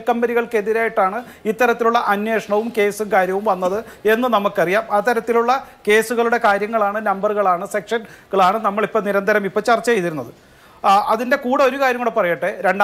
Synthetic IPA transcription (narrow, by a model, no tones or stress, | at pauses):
kɐmbɐniɣɐɭkeðiɾaːjiʈːaːɳɨ | it̪ːɐɾɐt̪ːiluɭːɐʔɐnje̞ːʂɐɳɐʋumke̞ːsɨmkaːɾjɐʋumʋɐnːɐðɨe̞nːɨnɐmukːɐrijaːmɐt̪ːɐɾɐt̪ːiluɭːɐke̞ːsuɣɐɭuɽe̞kaːɾjɐŋːɐɭaːɳɨnɐmbɐrɣɐɭaːɳɨse̞kʂɐnɡɐɭaːɳɨnɐmːɐɭipːɐːniɾɐnd̪ʱɐɾɐmipːoːt͡ɕɐrt͡ɕːɐejt̪ːiɾunːɐðɨ | ɐðinde̞kuːɽɐo̞ɾukaːɾjɐmːuɽepɐrɐjɐʈːeɾe̞ɳɖ